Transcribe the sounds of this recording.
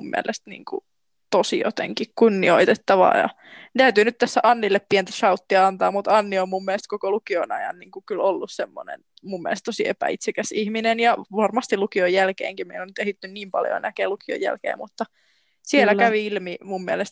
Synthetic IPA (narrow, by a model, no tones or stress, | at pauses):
ummḭæ̰lʔest̪nḭːŋkṵ | t̪osḭjo̰t̪ḛŋkikkunːioit̪et̪ːɑʋɑ̰ːjɑ̰ | t̪æyt̪ynyt̪t̪æsːæʔɑnːilːeppient̪æʃɑut̪ːiɑɑnt̪ɑːmmut̪ɑnːiommummielest̪kokolukionɑ̰jɑ̰nniːŋkukylolːussemːo̰nḛn | mumːḭɛ̰lest̪t̪osiḛpæ̰ḭt̪sekæsihminenjɑʋɑrmɑst̪ilukiojːælkḛːŋkimmeinonyt̪ehit̪ːynniːmpɑ̰ljo̰nækeːlukio̰jæ̰lkḛːmmut̪ːɑ | sielækæʋiilmimumːielest̪